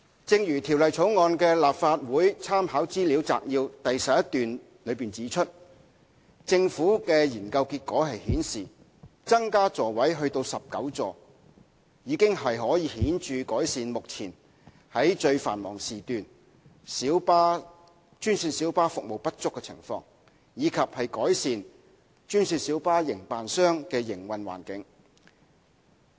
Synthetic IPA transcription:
t͡sɪ˧ŋjyː˨˩t̪ʰiː˨˩wlɐ˨˩jt͡sʰo˨˥wŋɔː˧nkɛː˧laː˨p̚faː˧t̚wuː˨˥jt͡sʰaː˥mhaː˨˥wt͡siː˥li˨˧˥wt͡sa̰ː˧k̚jiː˧wt̪ɐ˨jsɐ˨p̚jɐ˥tt̪yː˨n | lɵ˨˧ɥpiː˨˩nt͡siː˨˥t͡ʃʰɵ˥t̚ | t͡sɪ˧ŋfuː˨˥kɛː˧jiː˨˩nkɐ˧wkiː˧t̚kɔː˨˥ɦɐ˨jhiː˨˥nsiː˨˩ | t͡sɐ˥ŋkaː˥t͡sɔː˨wɐ˨˥jɦɵ˧t̪o˧wsɐ˨p̚kɐ˨˥wt͡sɔː˨ | jiː˨˧˥kɪ˥ŋhɐ˨jɦɔː˨˥jiː˨˧hiː˨˥nt͡ʃyː˨kɔː˨˥jsiː˨nmʊ˨k̚t͡sʰiː˨˩n | hɐ˨˥jt͡ʃɵ˧ɥfaː˨˩nmɔ̰ː˨˩ŋsiː˨t̪yː˨n | si˨˥wpaː˥ | t͡ʃyː˥nsiː˧nsiː˨˥wpaː˥fʊ˨k̚mo˨wpɐ˥t̚t͡sʊ˥kːɛ˧t͡sʰɪ̰˨˩ŋfɔ̰ː˧ŋ | jiː˨˧kʰɐ˨p̚hɐ˨jkɔː˨˥jsiː˨˧n | t͡ʃyː˥nsiː˧nsiː˨˥wpaː˥jɪ˨˩ŋpaː˨nsœː˥ŋkɛː˧jɪ˨˩ŋwɐ˨nwa̰ː˨˩nkɪ˨˥ŋ

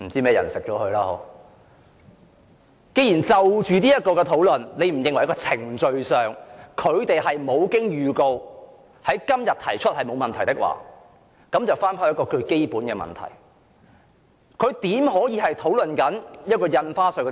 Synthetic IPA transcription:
m̩˨˩t͡siː˥mɛː˥˩jɐ̰˨˩nsɪ˨k̚t͡ʃɔː˨˥hɵ˧laː˧ho̰˨˥ | ke˥jiː˨˩nt͡sɐ˨wt͡ʃyː˨niː˥jɐ˥t̚kɔː˧kɛ˧t̪ʰo˨˥wlɵ˨nne˨˧jm̩˨˩jɪ˨ŋwjkɔː˧t͡sʰɪ˨˩ŋt͡ʃɵ˧ɥsœː˨ŋkʰɵ˨˧ɥt̪e˨jɦɐ˨jmo˨˧wkɪ˥ŋjyː˨ko˧w | hɐ˨˥jkɐ˥mjɐ˨t̚t̪ʰɐ˨˩jt͡ʃʰt̚hɐ˨jmo˨˧wmɐ˨nt̪ʰɐ˨˩jt̪ɪ˥k̚wʔa̰ː˨ | kɐ˨˥mt͡sɐ˨˩wfaː˥npʰa˥wjkɔː˧kɵ˧ɥke˥jpuː˨˥nkɛː˧mɐ̰˨nt̪ʰɐ̰˨˩j | kʰɵ˨˧ɥt̪iː˨˥mɦɔː˨˥jiː˨˧hɐ˨jt̪ʰo˨˥wlɵ˨nkɐ˨˥njɐ˥t̚kɔː˧jɐ˧nfaː˥sɵ˨˧kɛ˧

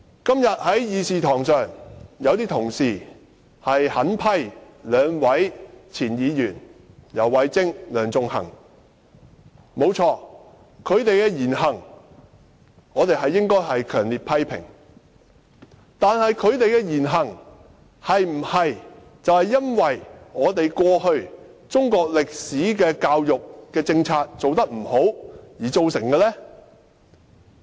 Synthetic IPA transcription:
kɐ˥mjɐ˨t̚hɐ˨˥jjiː˨˧siː˨t̪ʰɔː˨˩ŋsœː˨ŋjɐ˨˧wt̪iː˥t̪ʰʊ˨˩ŋsiː˨ | hɐ˨jhɐ˨˥npʰɐ˥j | lœː˨˧ŋwɐ˨˥jt͡sʰiː˨˩njiː˨˧jyː˨˩n | jɐ˨˩wːɐ˨˧jt͡sɪ˥ŋlœː˨˧ŋt͡sʊ˧ŋhɐ̰˨˩ŋ | mo˨˧wt͡ʃʰɔː˧ | kʰɵ˨˧ɥt̪e˨jkɛː˧jiː˨˩nɦɐ˨˩ŋ | ŋɔː˨˧t̪e˨jɦɐ˨jːɪ˥ŋkɔː˥jɦɐ˨jkʰœː˨˩ŋliː˨t̚pʰɐ˥jpʰɪ̰˨˩ŋ | t̪aː˨nhɐ˨jkʰɵ˨˧ɥt̪e˨jkɛ˧jiː˨˩nɦɐ˨˩ŋ | hɐ˨jm̩˨˩hɐ˨j | t͡sɐ˨whɐ˨jːɐ˥nwɐ˨jŋɔː˨˧t̪e˨jkʷɔː˧hɵ˧ɥ | t͡sʊ˥ŋkɔː˧k̚lɪ˨k̚siː˨˥kɛː˧kaː˧wjʊ˨k̚kɛː˧t͡sɪ˧ŋt͡sʰaː˧t̚t͡so˨wt̪ɐ˥k̚m̩˨˩ho˨˥wjiː˨˩t͡so˨˧wsɪ˨˩ŋkɛː˧lɛː˥

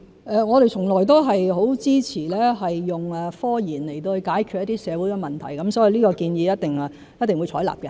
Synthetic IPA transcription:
ʔɛː˨˧ŋɔː˨˧ɾe˨jt͡sʰʊ˨˩ŋlɔː˨˩jt̪o˥wɦɐ˨jɦo˨˥wt͡siː˥t͡sʰiː˨˩lɛː˥ɦɐ˨jːʊ˨ŋɛː˨fɔː˥jiː˨˩nle˨˩jt̪o˧whɵ˧jkaː˨˥jkʰyː˨t̚jɐ˥t̪i˥sɛː˨˧wuː˨˥jkɛ˧mɐ˨˩nt̪ʰɐ˨˩jkɐ˨˦msɔː˨˥ji˧liː˥kɔː˧kiː˧njiː˨˧jɐ˥t̚t̪ɪ˨ŋ˨ | jt̪ɪ˨ŋwu˨˧jt͡ʃʰɔː˨˥jla̰ː˨p̚kɛ˧

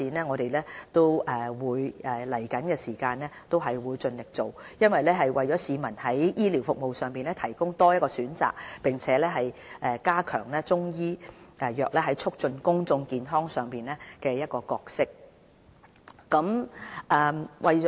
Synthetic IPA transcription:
iː˨nɛː˥ŋɔː˨˧ɾe˨jlɛː˥t̪o˥wʔɛː˨wuː˨˧jɛ˨lɐ˨˩jkɐ˨˥nkɛː˧siː˨˩kaː˧nɛː˥t̪o˥wɦɐ˨jwuː˨˧jt͡sɵ˧nlɪ˨k̚t͡so˨wjɐ˥nwɐ˨jlɛː˥ɦɐ˨jwɐ˨jt͡ʃɔː˨˥siː˨˧mɐ˨˩nhɐ˨˥jjiː˥liː˨˩wfʊ˨k̚mo˨wsœː˨ŋpiː˨nlɛː˥t̪ʰɐ˨˩jkʊ˥ŋt̪ɔː˥jɐ˥t̚kɔː˧syː˨˥nt͡sa̰ː˨k̚pɪ˨ŋt͡sʰɛː˨˥lɛː˥ɦɐ˨jɛː˨kaː˥kʰœ̰ː˨˩ŋlɛː˥t͡sʊ˥ŋjiː˥ʔɛ˨˧jœː˨k̚lɛː˥ɦɐ˨˥jt͡ʃʰʊ˥k̚t͡ʃɵ˧nkʊ˥ŋt͡sʊ˧ŋkiː˨nɦɔː˥ŋsœː˨˩ŋpiː˨nlɛː˥kɛː˧jɐ˥t̚kɔː˧kɔː˧k̚sɪ˥k̚ | kɐ˨˥mʔɛ˨˧wʔɐ˨j

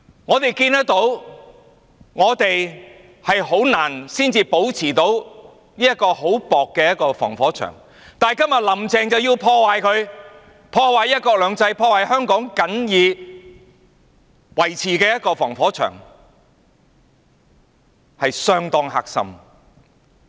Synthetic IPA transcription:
ŋɔː˨˧t̪e˨jkiː˧nt̪ɐ˥k̚t̪o˨˥w | ŋɔː˨˧t̪e˨j | hɐ˨jɦo˨˥wnaː˨˩nsiː˥nt͡siː˧po˨˥wt͡sʰiː˨˩t̪o˨˥w | niː˥jɐ˥t̚kːɔː˧ho˨˥wpɔː˨kːɛː˧jɐ˥t̚kɔː˧fɔ̰ː˨˩ŋfɔː˨˥t͡ʃʰœ̰ː˨˩ŋ | t̪aː˨jkɐ˥mjɐ˨t̚lɐ˨˩mt͡sɛː˨ŋt͡sɐ˨wjiː˧wpʰɔː˧waː˨jkʰɵ˨˧ɥ | pʰɔː˧waː˨jɐ˥t̚kɔː˧k̚lœː˨˧ŋt͡sɐ˧jpʰɔː˧waː˨jhœː˥ŋkɔː˨˥ŋkɐ˨˥njiː˨˧ | wɐ˨˩jt͡sʰiː˨˩kɛː˧jɐ˥t̚kɔː˧fɔː˨˩ŋfɔː˨˥t͡ʃʰœ̰ː˨˩ŋ | hɐ˨jsœː˧ŋt̪ɔː˧ŋha̰ː˧k̚sɐ̰˨˧m

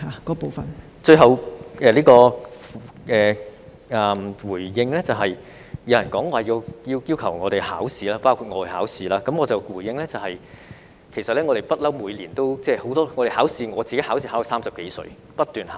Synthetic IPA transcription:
haː˨˧˦kɔː˨˥po˨wfɐ˨n | t͡ʃɵ˧ɥɦɐ˨wɛː˨liː˥kɔː˧ | ʔɛː˨ | ɐ˨mwuː˨˩jjɪ˧ŋlɛ˥t͡sɐ˨wɦɐ˨j | jɐ˨˧wjɐ˨˩nkɔː˨˥ŋɔː˧˨jiː˧wji˧wjiː˥wkʰɐ˨˩wŋɔː˨˧ɾe˨jhaː˨˥wsiː˨˧laː˥paː˥wkʰu˨˧t̚ŋɔː˨˧whaː˨˥wsiː˨˥laː˥kɐ˨mŋɔː˨˧t͡sɐ˨wkuː˨˩jɪ˧ŋlɛ˥t͡sɐ˨˩whɐ˨j | kʰe˨˩jsɐ˨t̚lɛː˥ŋɔ˨˧ɾe˨˩jpɐ˥t̚lɐ˥wmuː˨˧jliː˨˩nt̪o˥wt͡sɛː˥˩ho˨˥wt̪ɔː˥ŋɔː˨˧ɾe˨˩haː˨˥wsiː˧ŋɔː˨˧t͡siː˨ke˨˥jhaː˨˥wsiː˧aː˨˥ɐ˨˩saː˥msɐ˨p̚ke˨˧˥jsɵ̰˧ɥ | pɐ˥t̚t̪yː˨˩nha̰ː˨

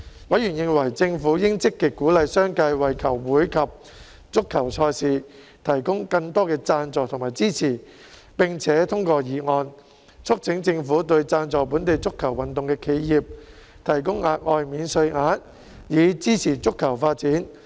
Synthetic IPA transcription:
wɐ˨˥jɥyː˨˩njɪ˨˧ŋwɐ˨˩jt͡sɪ˧ŋfuː˨˥jɪ˥ŋt͡sɪ˥kːi˨k̚kːuː˨˥lɐ˨˧jsœː˥ŋkɐ˧jwɐ˨jkʰɐ˨˩wːuː˨˥jkʰɐ˨p̚ | t͡sʊ˥kʰːɐ˨˩wt͡ʃʰɔː˧jsiː˨ | t̪ʰɐ˨˩jkʊ˥ŋkɐ˧ŋt̪ɔː˥kɛː˧t͡saː˧nt͡sɔː˨kt̪ʰʊ˨ŋmaː˨˩jt͡siː˥t͡sʰiː˨˩ | pɪ˨˩ŋt͡sʰɛː˨˥t̪ʰʊ˥ŋkɔː˧jiː˨˩ŋɔː˧n | t͡sʰʊ˥k̚t͡sʰɪ˨˥ŋt͡sɪ˧ŋfuː˨˥t̪ɵ˧ɥt͡saː˧nt͡sɔː˨puː˨˥nt̪e˨jt͡sʊ˥kʰːɐ˨˩wɐ˨nt̪ʊ˨ŋkɛː˧kʰe˨˧jjiː˨˩p̚ | t̪ʰɐ˨˩jkʊ˥ŋaː˨˧t̚ʔɔː˧jmiː˨˧nsɵ˧ɥŋaː˨˥t̚ | jiː˨˧t͡siː˥t͡sʰiː˨˩t͡sʊ˥kʰːɐ˨˩wfaː˧t̚t͡siː˨˥n

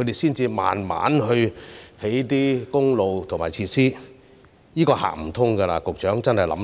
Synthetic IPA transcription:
kʰɵ˧jt̪e˨jsiː˥nt͡siː˧ma̰ː˨nma̰ː˨˥nɦɵ˧ɥhe˨˥jt̪iː˥kʊ˥ŋlo˨wt̪ʰŋmaː˨˩t͡sʰiː˧tsiː˥ | jiː˥kɔː˧ha̰ː˨˩m̩˨˩t̪ʰʊ˥ŋkɐ˧la̰ː˧kʊ˨k̚t͡ʃœː˨˥ŋt͡sɐ˥nhɐ˨jlɐ̰˨˥m

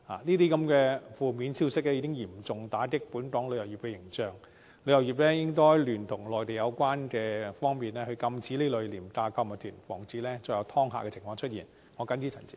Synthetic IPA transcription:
ha̰ː˨niː˥t̪̬iː˥kɐ˨˧mkɛː˧fuː˨miː˨˥nsiː˥wsɪ˥k̚lɛ˥jiː˨˧kɪ˥ŋjiː˨˩mt͡sʊ˨˩ŋt̪aː˨˥kɪ˥k̚puː˨˥nt̪ɔː˨˥ŋlɵ˨˧ɥjɐ˨˩wjiː˨˩pkɛː˧jɪ˨˩ŋt͡ʃœː˨˩ŋ | lɵ˨˧jɐ˨˩wjiː˨˩p̚lɛː˥jɪ˥ŋkɔː˥jlyː˨˩nt̪ʰʊ˨˩ŋlɔː˨˩jt̪e˨˩jɐ˨˧wkʷaː˥nkɛː˧fɔː˥ŋmiː˨nlɛː˥hɵ˧kɐ˧mt͡siː˨˥le˨˥jlɵ˨˩liː˨˩mt̪aː˧kʰɐ˧wma˨˩t̪ʰyː˨˩nfɔ̰ː˨˩ŋt͡siː˨˧˥lɛː˥t͡ʃɔː˧˩jɐ˨˧wt̪ʰɔː˥ŋɦa̰ː˨kɛː˧t͡sʰɪ˨˩ŋfɔː˧ŋt͡ʃʰɵ˥t̚jiː˨˩n | ŋɔː˨˧kɐ˨˥nt͡ɕyː˧˥t͡sʰɐ̰˨˩nt͡si̥˥

